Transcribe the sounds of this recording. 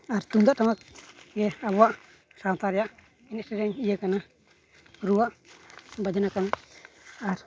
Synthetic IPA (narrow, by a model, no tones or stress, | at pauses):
aɾt̪umd̪aʔtamak̚ɡɛaβuaʔ | sant̪aɾijaʔ | inɛʔsɛɾɛɲijəkana | ɾuwaʔbad͡ʒanakana | aɾ